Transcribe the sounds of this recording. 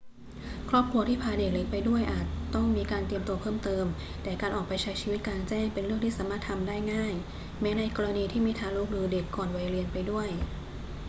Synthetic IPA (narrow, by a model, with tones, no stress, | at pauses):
kʰɾɔː˥˩p̚kʰɾu˧t̪ʰiː˥˩pʰaː˧de˨˩k̚le˨˩k̚pa˧jdu˥˩əjʔaː˨˩t̪ːɔ˥˩ŋmiː˧kaː˧nt̪i˧əmt̪u˧ɐpʰɤː˥˩mt̪ɤː˧m | t̪ɛː˨˩kaː˧nʔɔː˨˩pa˧jt͡ɕʰa˦˥jt͡ɕʰiː˧wi˦˥t̪̚kaː˧nt͡ɕɛː˥˩ŋpe˧nɾɯ˥˩əŋʰiː˥˩aː˨˦maː˥˩t̪ʰːa˧mdaː˥˩jŋaː˥˩j | mɛː˨˦˥na˧jkɔː˧ɾa˧niː˧t̪ʰiː˥˩miː˧t̪ʰaː˧˥luː˦˥k̚nɯː˧de˨˩kːɔː˨˩nwa˨˩jɾi˧ənpa˧jdu˥˩əj